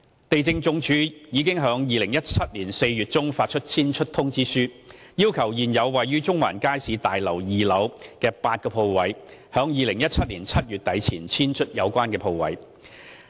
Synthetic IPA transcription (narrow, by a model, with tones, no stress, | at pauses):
t̪e˨jt͡sɪ˧ŋt͡sʊ˨˧ŋt͡ʃʰyː˨˧jiː˨˧kɪ˥ŋɦœː˨˥ŋjiː˨lɪ˨˩ŋjɐ˥t̚t͡sʰɐ˥t̚liː˨˩nse˧jɥyː˨t̚t͡sʊ˥ŋfaː˧t̚t͡ʃʰɵ˥t̚t͡sʰiː˥nt͡ʃʰɵ˥t̚t̪ʰʊ˥ŋt͡siː˥syː˥ | jiː˥wkʰɐ˨˩wjiː˨˩njɐ˨˧wːɐ˨jyː˥t͡sʊ˥ŋwa̰ː˨˩nkaː˥jsiː˨˧t̪aː˨jlɐ˨˩wjiː˨lɐ˨˧wkɛː˧paː˧t̚kɔː˧pʰo˧wwɐ˨˧jhœː˨˥ŋjiː˨˩lɪ˨˩ŋjɐ˥t̚t͡sʰɐ˥t̚liː˨˩nt͡sʰɐ˥t̚jyː˨t̚t̪ɐ˨˥jt͡sʰiː˨˩nt͡sʰiː˥nt͡ʃʰɵ˥t̚jɐ˨˧wkʷaː˥nkɛː˧pʰo˧wwɐ̰˨˧j